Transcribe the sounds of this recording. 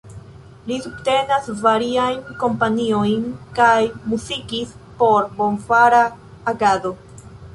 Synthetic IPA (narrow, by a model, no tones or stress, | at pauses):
lisubte̞nasvaɾiajnko̞mpanio̞jnkajmuzikispo̞ɾbo̞nvaɾaː | ɡado̞